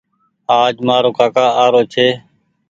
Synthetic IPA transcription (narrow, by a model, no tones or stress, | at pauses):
aːd͡ʒmãːɾoːkaːkaːaːɾoːt͡ʃʰeː